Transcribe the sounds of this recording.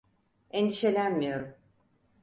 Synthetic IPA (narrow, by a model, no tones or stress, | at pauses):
end̪iʃe̞lʲænmijo̞ɾum